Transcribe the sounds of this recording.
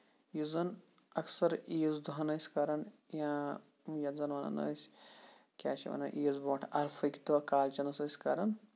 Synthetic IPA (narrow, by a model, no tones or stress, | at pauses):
juzɐnɐksɐɾiːzd̪uɦɐnɐjsʲkɐɾɐnjãː | jɐzɐnʋɐnɐ̰nɐ̰sʲ | kʲa̰ːt͡ʃʰiʋɐ̰nɐʔiːzboːʈʰɐɾfʰɐkʲt̪uɐkaːlt͡ʃɐnɐsɐsʲkɐɾɐn